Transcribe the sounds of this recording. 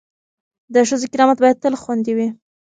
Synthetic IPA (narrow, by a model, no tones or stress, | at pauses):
d̪əʃəzokɪɾɑmat̪̚bɑjad̪̚t̪əlxwand̪iwi